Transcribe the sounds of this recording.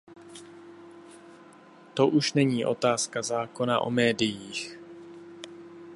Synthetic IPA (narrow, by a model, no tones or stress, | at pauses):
t̪o̞ʔuʃnɛɲiːʔo̞t̪aːskazaːko̞na̰ʔo̰mɛːdɪjiːx